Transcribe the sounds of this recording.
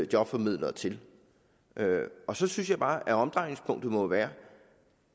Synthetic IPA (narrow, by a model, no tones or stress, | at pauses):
jɒ̽b̥fɒ̽mið̞̰ˠlɐt͡sʰe̝l | ʔøɒ̽sɒ̽syns̬jɑ̈ɪb̥ɑ̈ːʔæɒ̽md̥ʁɑ̈ɪne̝ŋspʰɔ̽ŋ̰d̥̩mɒ̽ʋæːɐ